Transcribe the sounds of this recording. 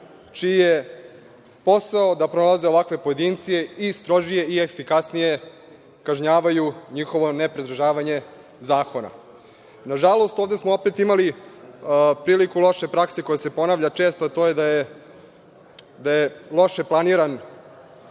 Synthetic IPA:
t͡ʃiije | po̞saod̪apɾonalˠazeo̞ʋakʋe̞po̞jed̪int̪sijeist̪ɾo̞ʒije̞iefikasnije | kaʒɲaːʋajuɲixo̞ʋo̞nepɾed̪ɾ̩ʒaːʋaɲe̞ | zaːkona̰ | naʒalˠo̞st̪oːvd̪esmoopet̪imali | pɾiːlikulˠo̞ʃe̞pɾakseko̞jese̞po̞naːʋʎat͡ʃeːst̪oat̪ojed̪aje | d̪ajelˠo̞ʃeplˠaniɾan

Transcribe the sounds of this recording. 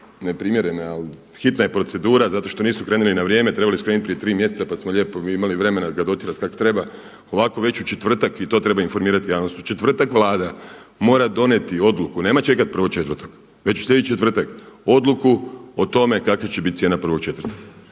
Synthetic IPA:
nepɾimje̞ɾenaal | xit̪naje̞pɾo̞t̪se̞d̪uːɾazat̪o̞ʃt̪oniːsmukɾe̞ːnulinaʋɾje̞ːme̞t̪ɾe̞baliskɾenit̪̚pɾije̞t̪ɾiːmje̞sesapasmoʎe̞ːpoimaliʋɾe̞me̞naɡad̪o̞t̪iɾat̪kakot̪ɾe̞ba | o̞ʋako̞ʋe̞t͡ɕut͡ʃet̪ʋr̩t̪akit̪o̞t̪ɾe̞bainfo̞ɾmiːɾat̪ijaːʋnost̪u̥t͡ʃe̞t̪ʋr̩t̪akʋlaːd̪amo̞ːɾad̪o̞net̪io̞d̪lukune̞ːmat͡ʃe̞kat̪̚pr̩ʋo̞t͡ʃe̞t̪ʋrt̪o̥k | ʋe̞t͡ɕu̥sʎʲe̞d̪t͡ʃet̪ʋr̩t̪ako̞d̪lukuot̪o̞me̞kakat͡ɕebit̪jeːnapr̩ʋo̞k̚t͡ʃe̞t̪rt̪ok

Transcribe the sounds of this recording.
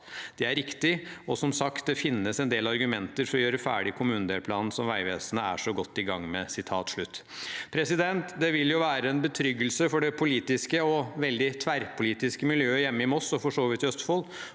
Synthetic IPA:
d̪̥ɛæɾɪkt̪ɪɔsɔmsɑkt̪̚d̪ɛfɪnːəsɛnd̪eːlɑɾɡʉmɛnt̪əɾfɔɾɔjøːɾəfæ̰ːɖɪkʰʊmʉːnn̩d̪eːlpʰlɑːnn̩sɔmʋæɪʋeːsənəæ̰ʂɔɡɔt̪ːɪɡɑŋːmɛsɪt̪ʰɑːt̪ʂɭʉt̪ː | pʰɾɛsɪd̪ɛnt̪d̪ɛʋɪljʊʋæːɾəɛnbət̪ʰɾʏɡːəlsəfɔɖɛpʰʊliːt̪ɪskəɔʋɛld̪ɪt̪ʰʋæɾpʰʊliːt̪ɪskəmɪljøːəjɛmːəɪmɔsɔfɔʂoːʋɪt̪œst̪fɔl

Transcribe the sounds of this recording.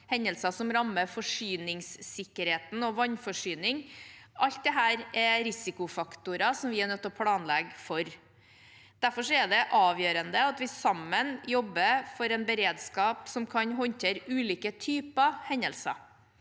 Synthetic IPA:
hɛnːəlsɑsɔmɾɑmːəfɔʂyːnɪŋsːɪkːəɾheːt̪n̩ɔʋɑnfɔʂyːnɪŋʔɑlt̪̚d̪ɛɦæːɾɛɾɪsɪkʊfɑkt̪ʊɾɑsɔmʋɪɛnœt̪ːɔpʰlɑːnlɛɡfɔɾ | d̪̥æɾfɔʂɔɛd̪ɛʔɑːʋjøːɾənd̪əɑt̪ʋɪsɑmːənjɔbːəfɔɾɛnbəɾeːd̪skɑːpsɔmkʰɑɲɦɔnt̪ʰeːɾʉːliːkət̪ʰyːpɑhɛnəlsɑ̰

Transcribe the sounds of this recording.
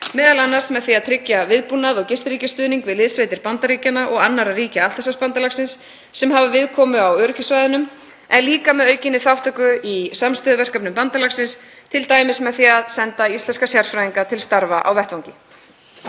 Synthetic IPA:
mɛːðalanːast̪mɛðθiaðt̪ʰɾɪcjavɪðpunːaðɔɣcɪst̪ɾiːcɪst̪ʏːðniŋkvɪðlɪðsveːjt̪ɪɾpant̪aɾiːcanaʔɔɣanːaɾariːcaat̪asaspant̪alaksɪnsː | ɛmɦavavɪðkʰɔːmʏawœɾʏcɪsvajðʏnʏm | ɛnliːkamɛðœːɥcɪnːɪθawht̪œkʏʔisamst̪œðʏvɛr̥kœpnʏmpant̪alaxsɪns | t̪ʰɪlt̪aːjmɪsmɛðθiaðsɛnt̪aisɛnskasjar̥sfɾajiŋkat̪ʰɪlst̪aɾvaʔa̰wvɛht̪vawŋcɪ

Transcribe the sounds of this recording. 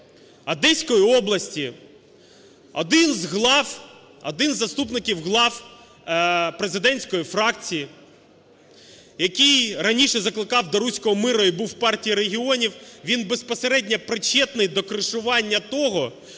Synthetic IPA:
ɐd̪ɛsʲkɔjiɔblˠɐsʲtʲi | ɔd̪ɪnzɦlˠɑw | ɔ̰d̪ɪnzːɐst̪upnɪkʲiwɦlˠɑw | pɾezɪd̪ɛnʲsʲkɔjifɾɑkt͡sʲiji | jɐkʲijrɐnʲiʃɛzɐklˠɪkɑwd̪ɔɾusʲkɔɦɔmɪɾɔibuwpɑrtʲijiɾeɦʲiɔnʲiwʋʲinbe̞spɔseɾɛdʲnʲɐpɾɪt͡ʃːɛt̪nɪjd̪ɔkɾɪʃʊʋɑnʲːɐt̪ɔɦɔ

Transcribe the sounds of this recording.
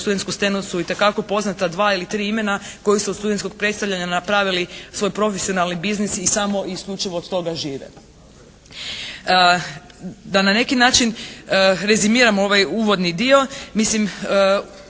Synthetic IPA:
st̪ud̪ent̪kust̪enusuit̪e̞kako̞po̞znat̪ad̪ʋaːilit̪ɾiːime̞nako̞jisud̪st̪ud̪ent̪ko̞ɡ̚pɾet̪st̪aʋʎʲaɲanapɾaʋilisʋo̞jpɾo̞fesio̞nalˠnibiznisisamo̞ʔiːskʎʲut͡ʃiʋoːd̪t̪o̞ɡaʒiːʋḛ | d̪anane̞kinaːt͡ʃin | ɾe̞zimiːɾamoo̞ʋajuːʋo̞d̪nid̪io̞mislim

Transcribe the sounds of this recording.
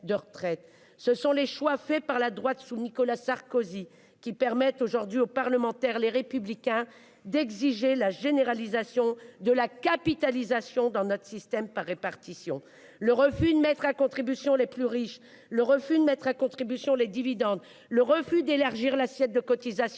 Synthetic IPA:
d̪əʁət̪χɛt̪ | səsɔ̃leʃwafɛpaʁlad̪ʁwat̪sunikɔlasaʁkozi | kʲipɛʁmɛt̪oʒuʁd̪ɥiopaʁləmɑ̃t̪ɛʁleʁepyblikʲɛ̃ | d̪ɛɡziʒelaʒeneʁalizasjɔ̃d̪əlakapit̪alizasjɔ̃d̪ɑ̃nɔt̪χə̥sist̪ɛmpaʁːepaʁt̪isjɔ̃ | ləʁəfyd̪əmɛt̪χakɔ̃t̪χibysjɔ̃leplyʁiʃ | ləʁəfyd̪əmɛt̪χakɔ̃t̪χibysjɔ̃led̪ivid̪ɑ̃d̪ | ləʁəfyd̪elaʁʒiʁlasjɛt̪̚d̪əkɔt̪izasj̃

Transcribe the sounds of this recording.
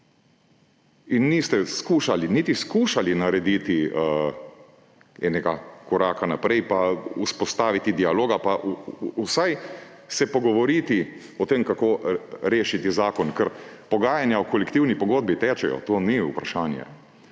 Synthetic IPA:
inːist̪ɛskuːʃaliniːt̪iskuːʃalinaɾɛd̪iːt̪i | ɛːnɛɡakɔɾaːkanapɾɛjpauspɔst̪aːʋit̪id̪ialoːɡapaʔusaj | sɛpɔɡɔʋɔɾiːt̪i | ɔt̪eːmkakoːɾeːʃit̪izaːkɔnkɛɾpɔɡaːjanjaɔkɔlɛkt̪iwnipɔɡoːd̪̚bit̪ɛːt͡ʃɛjɔ̰t̪oːniupɾaʃaːnjɛ̰

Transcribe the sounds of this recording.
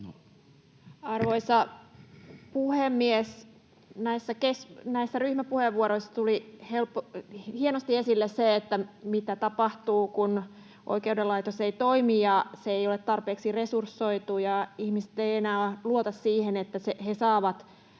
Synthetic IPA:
no | ɑrʋoisɑ | puhemːies | næisːækesnæisːæryhmæpuheʋːuoɾoisːɑt̪ulihelpːohienost̪iesilːesseːt̪ːæmit̪æt̪ɑpɑht̪uːkun | ʔo̰ikeudelɑit̪oseit̪oimijɑseeijolet̪t̪ɑrpeːksiresursːoit̪ujɑihmise̥t̪eienæːluot̪ɑssiːhenet̪ːæsehesɑːʋɑt̪

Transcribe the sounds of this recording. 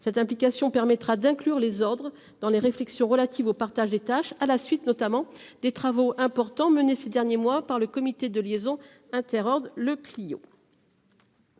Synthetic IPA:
sɛt̪ɛ̃plikʲasjɔ̃pɛʁmɛt̪χad̪ɛ̃klyʁlezɔʁd̪ʁə | d̪ɑ̃leʁeflɛksjɔ̃ʁəlat̪ʰivopaʁt̪aʒd̪et̪aʃalasɥit̪nɔt̪amɑ̃d̪et̪χavoɛ̃pɔʁt̪ɑ̃mənesed̪ɛʁnjemwapaʁləkɔmit̪ed̪əljezɔ̃ | ɛ̃t̪ɛʁɔʁd̪ləklijo̰

